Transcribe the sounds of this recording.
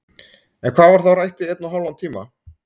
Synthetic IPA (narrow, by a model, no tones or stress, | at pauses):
ɛnkʰv̥aːvaɾ̥θawrajht̪ɪɛt̪naɦawlant̪ʰiːma̰